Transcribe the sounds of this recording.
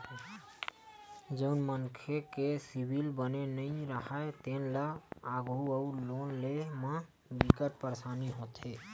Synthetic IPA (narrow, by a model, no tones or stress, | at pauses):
d͡ʒəʊnmənkʰekesibʱilbənenəĩɾəɦat̪enlaaɡuəulonlemẽ | bikəʈpəɾsaniɦot̪e